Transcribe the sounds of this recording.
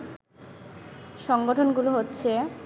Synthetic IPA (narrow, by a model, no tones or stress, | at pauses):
ʃɔŋɡoʈʰonɡuloɦotːɕʰe